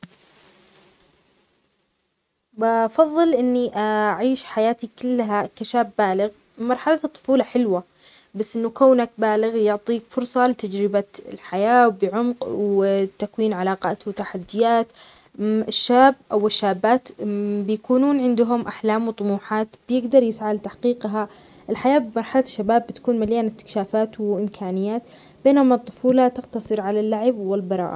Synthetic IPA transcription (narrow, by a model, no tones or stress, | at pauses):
bɑfɑðˤːɨlʔɪnːiʔaʕiːʃħajaːt̪ikɪlːɦakaʃaːbːaːlɪɣ | mɑɾˤħalat̪ˤːʊ̥fuːlɑħɪlwa | basːʔɪnːukaːnak̚baːlɪɣjʊʕt̪ˤiːkfʊɾsˤɑlɪt̪ad͡ʒɾɪbaɪ̰lħajaːwbɪʕʊmqwt̪akwiːnʕalaːqaːt̪wɪt̪aħad̪ːɪjaːt̪ | ɪʃːaːbʔawɪʃːaːbːaːt̪bɪjakuːnuːnʕɪnd̪ʊɦʊmʔaħlaːmwt̪ˤʊmuːħaːt̪b̥jɪɡd̪ɑɾˤjɪsʕalt̪aħqiːqɦa | ʔɪlħajaːbɪmɑɾˤħalaʃːabaːbːɪt̪ḁkuːnmaljaːnɪt̪ːɪ̥kʃaːfaːt̪wɪʔɪmkʰaːnɪjːaːt̪ | b̥eːnʊmɑt̪ˤːʊfuːlat̪ɪqt̪ɑsˤɨɾʕalalːaʕɪbwɪlbɑɾˤɑ̰ːʔ